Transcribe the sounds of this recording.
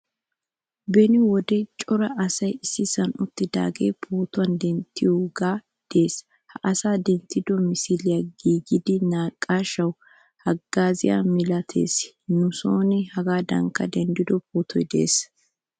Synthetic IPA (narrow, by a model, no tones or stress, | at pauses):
bɛnɪwɔd̪ɛt͡ʃʼɔɾɐʔɐsɐjɪsːɪsɐnʊt̪ːɪd̪a̰ːɡe̞̰ːpʰoːt̪ʊwɐnd̪ɛnt̪ʰːɪjoɡaː | d̪̥e̞ːs | hɐʔɐsaːd̪ɛnt̪ːɪd̪ɔmɪsɪlɪjaɡiːɡɪd̪ɪnaːkʼːaːʃɐw | hɐɡːaːzɪja̰mɪlɐt̪ʰḛːs | nʊsoːnɛhɐɡaːd̪ɐ̰ŋkːɐd̪ɛnd̪ɪd̪ɔpoːt̪ʰɔjd̪ḛːs